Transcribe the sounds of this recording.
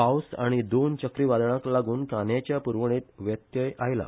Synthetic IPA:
pawsaɽ̃id̪ont͡ɕəkɾiːʋad̪ɳaklaɡuːnkanjat͡ɕjapuɾʋɽ̃iːt̪ʋjət̪jəjʔajla̰

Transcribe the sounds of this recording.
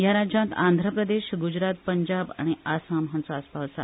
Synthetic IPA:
jaɾad͡ʑjãnt̪ãnd̪ʱɾəpɾəd̪eɕɡud͡ʑɾat̪̚pəɲd͡ʑaba̰ɽ̃iʔasamɦant͡saaspasa̰

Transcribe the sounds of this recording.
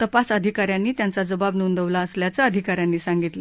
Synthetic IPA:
t̪əpasəd̪ʱikaɾjãnːiːt̪jant͡sad͡zəbabnund̪əʋlaəsljat͡saəd̪ʱikaɾjanːiːsãŋɡit̪lə

